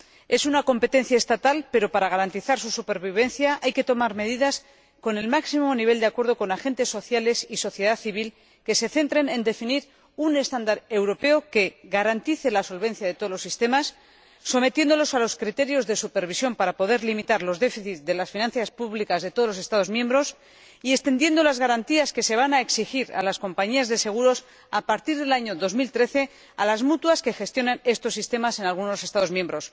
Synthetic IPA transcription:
e̞sunako̞mpe̞t̪e̞nθjaest̪at̪alpe̞ɾo̞paɾaɣ̞aɾant̪iθaɾsusupe̞ɾβiβ̞e̞nθjaʔajke̞t̪o̞maɾme̞ðiðas | ko̞ne̞lmaksimoniβ̞e̞ld̪eakwe̞ɾðo̞ko̞naxe̞nt̪e̞sːo̞θjale̞siso̞θje̞ðaθiβ̞il | ke̞se̞θe̞nt̪ɾe̞ne̞nd̪e̞finiɾ | une̞st̪and̪aɾe̞wɾo̞pe̞oke̞ɣaɾant̪iθe̞laso̞lβe̞nθjað̞e̞t̪o̞ðolo̞sist̪e̞masː | o̞me̞t̪je̞nd̪o̞lo̞salo̞skɾit̪e̞ɾjo̞zðe̞supeɾβ̞isjo̞mpaɾapo̞ðe̞ɾlimit̪aɾlo̞zðe̞fiθit̪ðe̞lasfinãnθjaspuβlikazðe̞t̪o̞ð̞lose̞st̪að̞o̞zmjembɾo̞s | ie̞st̪e̞nd̪je̞nd̪o̞lazɣaɾant̪iaske̞se̞β̞anaeksixiɾa̰lasko̞mpaɲiazðe̞se̞ɣ̞uɾo̞s | apaɾt̪iɾðe̞laɲoðo̞zmilt̪ɾe̞θe̞ | a̰lazmut̪waske̞xe̞st̪jo̞nene̞st̪o̞sːist̪e̞mase̞nalɣ̞uno̞se̞st̪að̞o̞zmje̞mbɾo̞s

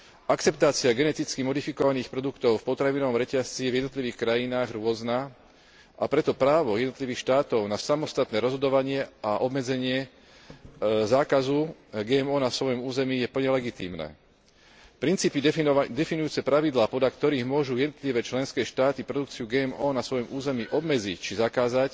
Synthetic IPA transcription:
ʔakt͡sɛpt̪aːt͡siaɡɛnɛt̪it͡skimɔd̪ifikɔʋaniːxpɾɔd̪ukt̪ɔʊfpɔt̪ɾaʋinɔʋɔmɾɛcast͡sijɛvjɛd̪nɔt̪liʋiːxkɾajinaːɣɾʊɔzna | ʔa̰pɾɛt̪ɔpɾaːʋɔjɛd̪nɔt̪liʋiːxʃt̪aːt̪ɔʊnasamɔst̪at̪nɛːɾɔzɦɔd̪ɔʋaɲɪɛaʔɔbmɛd͡zɛɲɪɛ | zaːkazuɡɛːɛmɔːnasʋɔjɔmuːzɛmijɛpl̩ɲɛlɛɡit̪ḭːmnɛ̰ː | pɾint͡siːpid̪ɛfinujuːt͡sɛpɾaʋid̪laːpɔd̪lakt̪ɔɾiːɣmʊɔʒujɛd̪nɔt̪liʋɛːt͡ʃlɛnskɛːʃt̪aːt̪ipɾɔd̪ukt͡siuɡɛːɛmɔːnasʋɔjɔmuːzɛmiʔɔbmɛd͡zict͡ʃizakaːzac

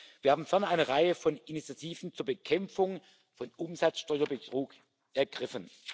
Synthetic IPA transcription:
v̥iːɐhaːbm̩fɛɐnʔaɪnəʁaɪəfɔnɪnit͡sjatʰiːvn̩t͡suːɐbəkʰɛmfʊŋ | fɔnʔʊmzat͡sʃtɔʏɐbətʁ̥uːk | ʔɛɐɡʁɪfən

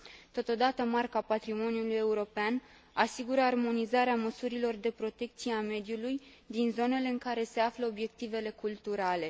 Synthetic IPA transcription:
t̪o̞t̪o̞d̪at̪əmarkapat̪ɾimo̞njuluje̞uɾo̞pean | asiɡuɾəarmo̞nizaɾeaməsuɾilo̞rd̪e̞pɾo̞t̪e̞k̚t̪sijeame̞d̪juluj | d̪inzo̞ne̞le̞ɨŋkaɾe̞se̞afləo̞bje̞k̚t̪ive̞le̞kult̪uɾale̞

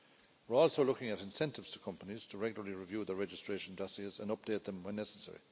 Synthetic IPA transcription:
wɪɹɔːlˠsoʊlʊkɪ̃ŋəɾɪ̃nsɛ̃ntɪvz̥tʰə̥kʰʌ̃mpəniz̥tʰəɹɛɡjlˠə˞liɹivjuːðəɹɛd͡ʒɪstɹ̥eːʃə̃ndɔsjiezə̰̃nʌp̚d̥eːt̪̚ðə̃mwɛ̃nːɛsəsɛ̰ɹḭ

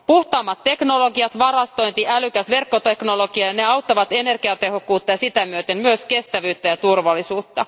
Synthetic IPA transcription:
puht̪ɑːmːɑt̪te̞knoloɡiɑt̪ʋɑrɑst̪o̞jnt̪iʔælykæsʋe̞rkːot̪eknoloɡ̥iɑjɑneɑwt̪ːɑʋɑt̪enerɡ̥iɑt̪ehokːuːt̪ːɑjɑsit̪æmyøt̪emmyøskest̪æʋyːt̪ːæjɑt̪urʋɑlisuːt̪ːɑ

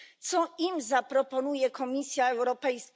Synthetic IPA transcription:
t̪sɔimzapɾɔpɔnujɛkʰɔmʲisʲjaɛwɾɔpɛjs

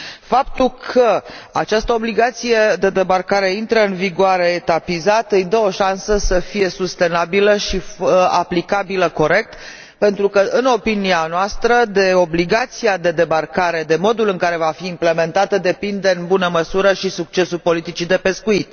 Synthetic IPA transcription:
fapt̪ulkʰəa̰t͡ʃast̪əo̞bliɡat̪sije̞d̪e̞d̪e̞barkaɾe̞int̪ɾəɨnviɡoaɾe̞ːt̪apizat̪ɨjd̪əo̞ʃansəsəfije̞sust̪e̞nabiləʃiaplikabiləko̞ɾe̞k̚t̪ | pe̞nt̪ɾukəʔɨno̞pinianoast̪ɾəd̪e̞o̞bliɡat̪siad̪e̞d̪ebarkaɾe̞d̪e̞mo̞d̪ulɨŋkaɾe̞vafiːmple̞me̞nt̪at̪əd̪e̞pind̪e̞ɨnbunəməsuɾəʃisuk̚t͡ʃe̞sulpo̞lit̪it͡ʃid̪e̞pe̞skuit̪

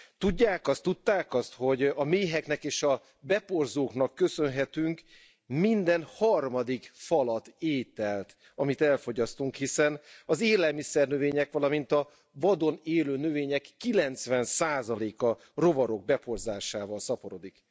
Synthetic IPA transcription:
t̪uɟːaːkɒst̪ːut̪ːaːkɒst̪ho̞ɟɒmeːɦɛknɛkeːʃɒ | bɛporzoːknɒkːø̞sø̞nɦɛt̪yŋk | mind̪ɛnhɒrmɒd̪ikfɒlɒt̪eːt̪ɛlt̪ | ɒmit̪ɛlfo̞ɟɒst̪uŋkhisɛnɒzeːlɛlmisɛrnøveːɲɛkʋɒlɒmint̪ɒ | vɒd̪o̞neːløːnøveːɲɛkːilɛnt̪sʋɛnsaːzɒleːkɒ | ro̞vɒɾo̞ɡ̚bɛpo̞rzaːʃaːvɒlsɒpo̞ɾo̞d̪ik

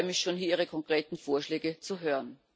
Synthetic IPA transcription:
mɪçʃoːnɦiːɐiːʁəkʰɔŋkʁ̥eːtn̩foːɐʃleːɡət͡suɦøːʁən

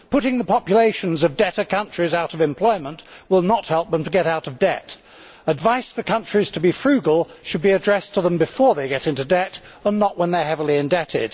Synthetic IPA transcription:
pʰʊɾɪ̃ŋðəpʰɑpjɨleɪʃɨ̃n̩zʌvdɛɾə˞kʰʌ̃nt͡ʃɹ̥izaʊɾʌvɨ̃mpʰl̥ɔɪmə̃nʔwɪlˠnət̚hɛlˠp̚ðə̃mtʰɨɡɛɾaʊɾʌvdɛt | ədvaɪsfə˞kʰʌ̃nt͡ʃɹ̥iz̥tʰɨbifɹʉɡəl̩ˠʃɨd̚biɨdɹɛstʰəðə̃mbɨfɔɹðeɪɡɛɾɪ̃ntʉdɛɾ | ə̃nːəʔwə̃nðə˞hɛvl̩ˠiɨ̃ndɛɾɪ̰d̥

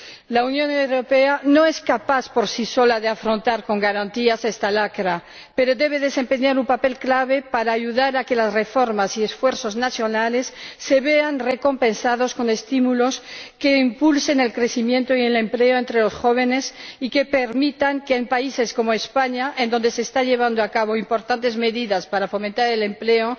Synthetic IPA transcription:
launjõ̞newɾo̞peanoe̞skapaθpo̞ɾsiso̞laðeafɾo̞nt̪aɾko̞ŋɡaɾant̪iasest̪alakɾa | pe̞ɾo̞d̪e̞β̞e̞ðe̞se̞mpe̞ɲaɾumpape̞lklaβ̞e̞paɾaːʝuðaɾake̞lazre̞fo̞ɾmasiesfwe̞ɾθo̞znaθjo̞nale̞sːeβe̞anreko̞mpe̞nsaðo̞sko̞ne̞st̪imulo̞ske̞impulse̞ne̞lkɾe̞θimjẽ̞nt̪oiele̞mple̞oe̞nt̪ɾelo̞sxo̞β̞e̞nesike̞pe̞ɾmit̪aŋkeːmpaise̞sko̞moespaɲaʔend̪o̞nd̪e̞seːst̪aʎe̞β̞and̪oakaβ̞o̞impo̞ɾt̪ant̪e̞zme̞ðiðaspaɾafo̞ment̪aɾele̞mpleo

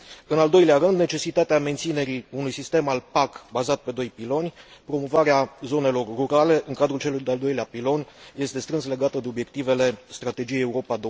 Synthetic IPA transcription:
ɨnald̪o̞jleaɾɨnd̪ne̞t͡ʃe̞sit̪at̪eament̪sine̞ɾiunujsist̪e̞malpakbazat̪̚pe̞d̪o̞jpilo̞nʲpɾo̞mo̞vaɾeazo̞ne̞lo̞rruɾale̞ʔɨŋkad̪ɾult͡ʃe̞lujd̪eald̪o̞jleapilo̞nʲje̞st̪e̞st̪ɾɨnsle̞ɡat̪əd̪e̞o̞bje̞k̚t̪ive̞le̞st̪ɾat̪e̞d͡ʒijejeuɾo̞pad̪o

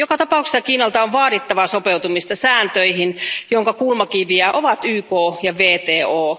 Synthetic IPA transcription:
jokɑt̪ɑpɑˑukse̥sɑkiːnɑlt̪ɑoʋʋɑːɾit̪ːɑʋɑsopewt̪umist̪ɑsæːnt̪øihinjoŋkɑkulmɑkiʋiæʔoʋɑt̪yːkoːjɑʋeːt̪eːoː

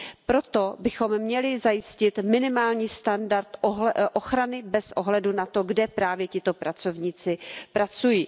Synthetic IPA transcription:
pɾo̞t̪o̞bɪxo̞mːɲɛlɪzajɪscɪt̪mɪnɪmaːlɲiːst̪andaɾt̪oʔoxɾanɪbɛsʔoɦlɛdunat̪o̞ɡdɛpɾaːvjɛcɪt̪o̞pɾat͡so̞vɲiːt͡sɪpɾʔat͡sujiː

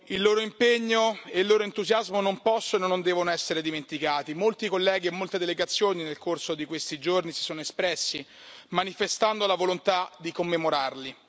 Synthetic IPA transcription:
ilːoːɾoimpeɲːoeilːoːɾoent̪uzjazmonompɔsːononond̪ɛːvonoɛsːeɾed̪iment̪ikaːt̪imolt̪ikolːɛːɡiemːolt̪ed̪eleɡat̪sːjoːninelkʰorsod̪ikwest̪id͡ʒornisi̥soːnoespɾɛsːi | manifest̪and̪olavolont̪ad̪ikomːemoɾarli

